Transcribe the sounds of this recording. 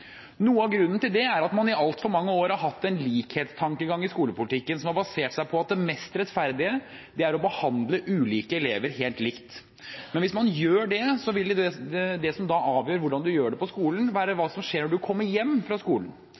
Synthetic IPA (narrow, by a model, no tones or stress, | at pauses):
nuːəɑʋɡɾʉnːənt̪ɪld̪ɛæɾɑt̪mɑnɪʔɑlt̪fɔɾmɑŋːəoːɾhɑɾɦɑt̪ːɛnliːkheːt̪st̪ʰɑŋkəɡɑŋːɪskuːləpʊlɪt̪ʰɪkːənsɔmhɑɾbɑseːʈsæɪpʰɔɑt̪̚d̪ɛmɛst̪ɾɛt̪fæɾd̪ɪə | d̪ɛæɾɔbəhɑnd̪ləʔʉːliːkəɛleːʋəɾɦeːlt̪lɪkt̪ | mɛnʋɪsmɑnjøːɖɛsɔʋɪlɛd̪ɛsɔmd̪ɑɑːʋjøːɾʋʊɖɑnd̪ʉjøːɖɛpɔskuːln̩ʋæːɾəʋɑːsɔmʂeːɾnɔɖʉkʰɔmːəɾjɛmːfɾɑskuːlən̩